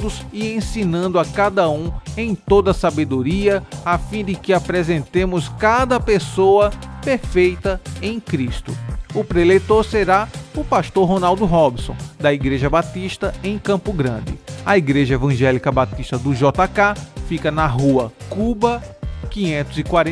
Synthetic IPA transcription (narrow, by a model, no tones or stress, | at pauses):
d̪ʊzɪẽsinɐ̃nd̪ʊakad̪ɐũẽj̃t̪od̪ɐsabed̪oɾiɐafĩd̪ɪkɪapɾezẽnt̪ẽmʊskad̪ɐpesoɐpeɾfejt̪ɐẽj̃kɾist̪ʊ̰ʊpɾelejt̪oɾseɾaʊpast̪oɾɦonawd̪ʊɦɔbsõ̰w̃d̪ɐiɡɾeʒɐbat̪iʃt̪ɐẽj̃kɐ̃pʊɡɾɐ̃d̪ɪ̰ɐiɡɾeʒɐevɐ̃ʒɛlikɐbat̪iʃt̪ɐd̪ʊʒɔt̪akafikɐnɐɦuɐkubɐkĩɲẽnt̪ʊzɪkwaɾẽ